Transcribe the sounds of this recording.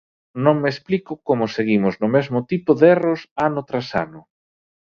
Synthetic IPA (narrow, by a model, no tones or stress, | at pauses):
nõŋmesplikʊkomʊseɣimʊznʊmezmʊt̪ipʊðɛrosanʊt̪ɾasa̰nʊ